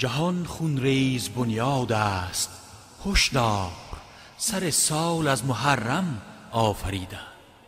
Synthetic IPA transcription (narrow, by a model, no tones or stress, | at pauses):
d͡ʒaɦɔnχunɾeːzbonjɒːd̪ast̪̚ | hoʃd̪ɒːq | saɾesɒːlazmoɦarːam | ɒːfaɾiːd̪æ̥